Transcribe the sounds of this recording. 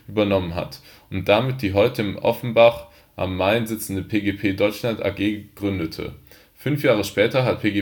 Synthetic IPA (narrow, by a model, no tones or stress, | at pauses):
ʔyːbɐnɔmənɦa̰t | ʊnt̚d̥amɪt̚d̥iːɦɔʏtəɪmʔɔ̰fn̩baχ | ʔa̰mːaɪnzɪt͡sn̩dəpʰeːɡepʰeːdɔʏt͡ʃlanta̰ːɡeːɡ̥ʁʏndətʰə̰ | fʏnfjaːʁ̞əʃpɛːtɐɦat̚pʰeːɡe